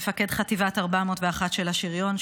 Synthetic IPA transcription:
fake̞dχativataʁbamotveaχatʃelaʃiʁjo̞n

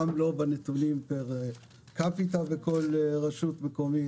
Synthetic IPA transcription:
amlo̞banet̪ulimpeʁ | kapit̪aveko̞lʁaʃut̪mekomi

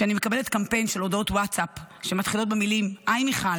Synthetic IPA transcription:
eanimekabele̞tkampe̞jnʃelo̞do̞twatsapʃemat̪χilo̞t̚bemilimʔajmiχal

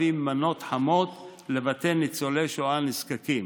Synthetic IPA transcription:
imːano̞t̪ħamo̞t̪ | le̞vat̪e̞nit͡sole̞ʃoaniskakim

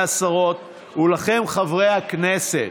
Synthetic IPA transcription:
asaʁo̞t̪̚ | ulaχe̞mχavʁe̞jhaknese

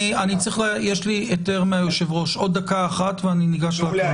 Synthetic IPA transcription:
ianit͡sʁiχljeʃliete̞ʁmeajoʃe̞vʁo̞ʃo̞d̪ːakaːχatveaniniɡaʃla

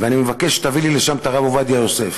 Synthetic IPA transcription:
veanimevake̞ʃe̥t̪avilile̞ʃamt̪aʁavovad̪iajo̞se̞f

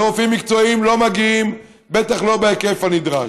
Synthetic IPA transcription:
ʁofimːikt͡so̞imlo̞maɡiim | bet̪aχlo̞beekefanid̪ʁa

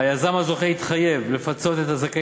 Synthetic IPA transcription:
ajazamazo̞χeit̪χaje̞vle̞fat͡so̞t̪et̪azaka

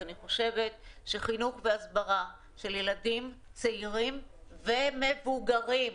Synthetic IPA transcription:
aniχo̞ʃe̞ve̞t̚ʃeχinuχveasbaʁa | ʃe̞ljeladimt͡seiʁimveme̞vuɡaʁim

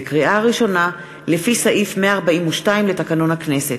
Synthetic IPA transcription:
kʁiʔaaʁiʃo̞na | lefisaʔifmeaːʁbaʔimuʃtaimletakano̞nhakneset

